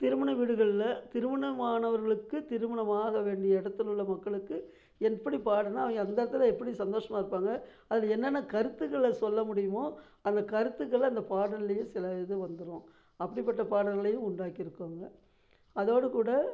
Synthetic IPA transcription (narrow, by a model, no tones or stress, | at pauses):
t̪ɪɾɯmɐɳɐʋiːɽɯɣɐɭɪlɐt̪ɪɾɯmɐɳɐmaːɳɐʋɐɾɣɐɭɯkːɯt̪ɪɾɯmɐɳɐmaːɣɐʋeːɳɖɪjɐɪɽɐt̪ːɯɪlɯɭːɐmɐkːɐɭɯkːɯ | ɛpːɐɽipaːɽɯnːaːɐʋɐŋɡɐɐnd̪ɐɾɐt̪ːɪlɐɛpːɐɽisɐnd̪oːʂɐmaːɪɾɯpːaːŋɡɐ | ɐðɪlɐɛnːɐnːɐkɐɾɯt̪ːɯkːɐɭɐsɔlːɐmʊɽɪjɯmoː | ɐnd̪ɐkɐɾɯt̪ːɯkːɐɭɐnd̪ɐpaːɽɐlːɐjẽsɪlɐðɯʋɐnd̪ɯɾʊ̃ː | ɐpːɐɽipɐʈːɐpaːɽɐlɣɐɭɐjʊ̃ʊɳɖaːkɪɾɯkːaːŋɡɐ | ɐðoːɽɯkuːɽɐ